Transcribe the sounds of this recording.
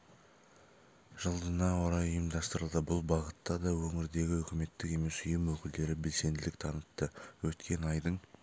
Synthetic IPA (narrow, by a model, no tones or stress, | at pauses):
ʒ̥əlˠd̪ənɑwoɾɑjɵjəmd̪ɑst̪əɾəlˠd̪əbʊlˠbɑʁət̪ːɑd̪ɑwɵŋɪɾd̪e̞ɡʲɪɵkʲɪme̞t̪ːɪke̞me̞sʏjəmwɵkʲɪld̪e̞ɾɪbe̞lse̞nd̪ɪlɪk̚t̪ʰɑnət̪ːəwɵt̪kʲe̞nɑjd̪əɴ